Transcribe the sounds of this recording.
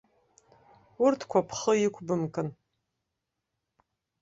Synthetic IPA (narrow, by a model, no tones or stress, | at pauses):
ʊrtʰkʷʰapʰχəjiɪkʷʰʼbɨmkʼɨn